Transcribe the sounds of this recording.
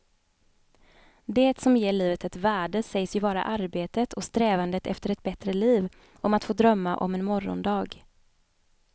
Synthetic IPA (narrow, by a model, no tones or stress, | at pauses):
d̪eːt̪sɔmjeːɭiːvət̪ɛt̪væːɖəsɛjsjɵbɑːɾa̰ʔaɾbeːt̪ət̪ʰɔst̪ɾɛːvand̪ət̪ɛ̰ft̪əɾɛt̪̚bɛt̪ɾəliːv | ʔɔmat̪foːd̪ɾœmːaʔɔ̰mɛnmɔɾɔ̰nd̪ɑːɡ